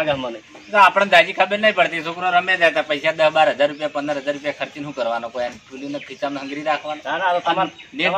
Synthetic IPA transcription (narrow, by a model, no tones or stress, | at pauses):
ɡmən | soapəɽ̃d̪ad͡ʒikʰəbəɾnəĩpəɽt̪isukɾoɾəmjãd͡ʒat̪apəjsad̪əɦbaɾɦəd͡ʒaɾːupjapənd̪əɾɦəd͡zaɾːupjakʰəɾt͡ʃinɦũkəɾʋanokojaniʈʰuljunepʰit͡ʃamnɦə̃ŋɡɾiɾakʰʋanoan | ne